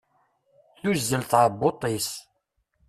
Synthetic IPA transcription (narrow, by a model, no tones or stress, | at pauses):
θuzːəlθʁəbːot̪ˤis